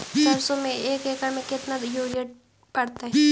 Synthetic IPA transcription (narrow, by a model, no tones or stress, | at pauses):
sɐɾsõmẽeːkeːkəɾmẽkɪt̪najoːɾijəʈ̚ | pɐɽt̪aɦɛ